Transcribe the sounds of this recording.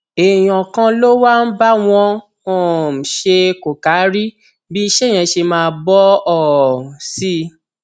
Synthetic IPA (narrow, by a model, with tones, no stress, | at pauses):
e˨j̃ɔ̃˨kã˧lo˦wa˦n̩˦ba˦w̃ɔ̃˧ | o˦˨m̩˨ʃe˧ko˨ka˨˦ɾi˦ | bi˦i˧ʃɛ˦˨j̃ɛ̃˧ʃe˧mãː˧˦˧bɔ˦ɔ˦˨si˦